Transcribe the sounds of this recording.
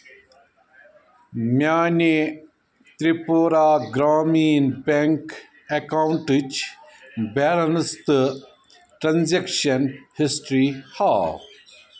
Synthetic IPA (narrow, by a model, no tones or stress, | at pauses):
mjaːne | t̪ɾipoːɾaːɡɾaːmiːnpeŋk | ekaːwɳʈɨt͡ʃ | bɛːlɐnɨst̪ɨ | ʈɾɐnzekʃɐnhisʈɾiːhaː